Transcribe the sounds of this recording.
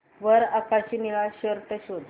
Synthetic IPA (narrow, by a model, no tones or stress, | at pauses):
ʋəɾəkaɕiniɭaɕəɾp̪əɕot̪